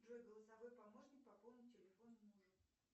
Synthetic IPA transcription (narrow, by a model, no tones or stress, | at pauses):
d̪rojɡəlˠəsɐvo̞jpɐmo̞ʂnʲɪk̚pɐpo̞lˠnʲɪtʲɪlʲɪfo̞nnuʐɨ